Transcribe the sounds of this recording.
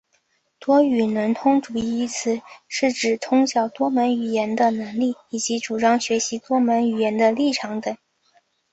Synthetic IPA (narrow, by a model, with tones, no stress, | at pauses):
t̪wɔ˥y˨˩nə˧˥nt̪ʰʊ˥ŋʈ͡ʂu˨˩˥i˧i˧˥t͡sʰɹ̩˨˩ʂɻ̩˥˩ʈ͡ʂɻ̩˨˩t̪ʰʊ˥ŋɕjɑ˨˩ʊt̪wɔ˥mə˧˥ny˨˩jɛ˧˥nd̪ə˧nə˧˥ŋli˥˩i˨˩t͡ɕi˧˥ʈ͡ʂu˨˩ʈ͡ʂɑ˥ŋɕɥɛ˧˥ɕi˧˥t̪wɔ˥mə˧˥ny˨˩jɛ˧˥nd̪ə˧li˥˩ʈ͡ʂʰɑ˧˥ŋt̪ə˨˩˦ŋ